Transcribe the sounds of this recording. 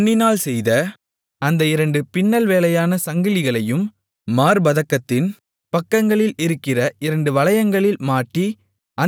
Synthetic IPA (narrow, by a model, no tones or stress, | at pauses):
nːɪnaːlsɛjðɐ | ɐnd̪ɐɪɾɐɳɖɯpɪnːɐlʋeːlɐjaːnɐsɐŋɡɪlɪɣɐɭɐjɯmː | aːɾbɐðɐkːɐt̪ːɪn | pɐkːɐŋɡɐɭɪlɪɾɯkːɪrɐʔɪɾɐɳɖɯʋɐɭɐjɐŋɡɐɭɪlmaːʈːi | ʔɐ